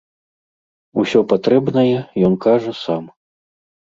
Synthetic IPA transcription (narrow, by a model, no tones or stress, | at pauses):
usʲɔpat̪ɾɛbnɐjɛjɔnkaʐɐsam